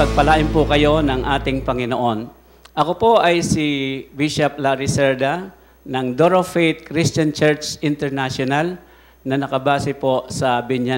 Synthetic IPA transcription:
pɐɡ̚pɐlaːʔɪnpʊkɐjo̞nɐŋʔaːt̪ɪŋpɐŋɪnoʔo̞n | ʔɐkopo̞ʔɐjsiwiʃɐp̚laɾɪsɛɹd̪a | nɐŋd̪oɾofɛt̪̚kɾist͡ʃɐnt͡ʃɛɹt͡ʃɪnt̪ɛɹnaʃonal | nɐnɐkɐbaːsɪpo̞sɐbɪɲja

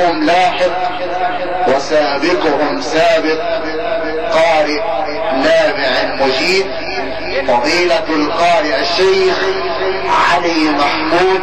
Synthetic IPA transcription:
ʊmlaːħɪq̚ | wɪsaːbɪqʊhʊmsaːbɪq̚ | qɑːɾɪʔ | naːbɪʕlmʊd͡ʒiːd̪̚ | fɑðˤiːlalqɑːɾɪʔaʃːejx | ʕalimaħmuːd̪

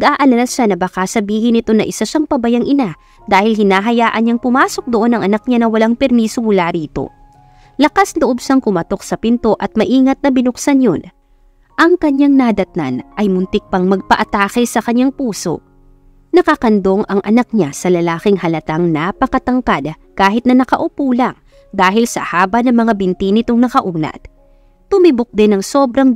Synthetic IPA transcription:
nɡʔaːʔɐlanɐʃanɐbɐkasɐbiːɦɪnɪt̪o̞nɐʔɪsaʃaŋpɐbɐjaŋʔɪna | d̪aːhɪlhɪnaːɦɐjaːʔɐɲɲaŋpʊmaːso̞k̚d̪oʔo̞nɐŋʔɐnɐk̚ɲanɐwɐlaŋpɛɾmiːsoŋʊlaɾiːt̪o̞̰ | lɐkasloʔo̞bʃaŋkʊmɐt̪o̞k̚sɐpɪnt̪o̞ʔɐt̪̚mɐʔiːŋɐt̪̚nɐbɪnʊksanjon | ʔɐŋkɐɲaŋnad̪ɐt̪̚na̰nʔɐjmʊnt̪ɪk̚pɐŋmɐɡ̚pɐʔɐt̪aːkɛsɐkɐɲːaŋpuːso̞̰ | nɐkɐkɐnd̪o̞ŋʔɐŋʔɐnɐk̚ɲasɐlɐlaːkɪŋhɐlɐt̪aŋnaːpɐkɐt̪ɐŋkad̪kaːɦɪt̪nɐnɐkɐʔʊpuːlɐŋ | d̪aːɦɪlsɐ̰haːbɐnɐŋmɐŋabɪnt̪inɪt̪oŋnɐkɐʔuːnɐ̰t̪̚ | t̪ʊmibok̚d̪ɪnɐŋso̞bɾɐŋ

